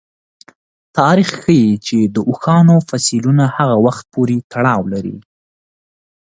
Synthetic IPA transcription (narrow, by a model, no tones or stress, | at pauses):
t̪ɑɾixxəjit͡ʃed̪əʔʊxɑnofasilunahaɣawaxt̪̚poɾet̪ʰaɽɑwlaɾḭ